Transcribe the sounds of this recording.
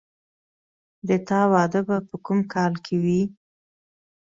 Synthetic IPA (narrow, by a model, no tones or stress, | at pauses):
d̪ət̪ɑwɑd̪əbapəkumkʰɑlkʰewi